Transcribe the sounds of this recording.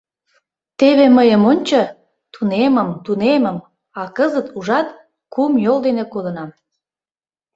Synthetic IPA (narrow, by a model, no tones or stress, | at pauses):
t̪eβeməjəmonʲt͡ɕo | t̪uneməmt̪uneməm | ɑkəzət̪uʒɑt̪̚ | kumjold̪enekod̪ə̆nɑm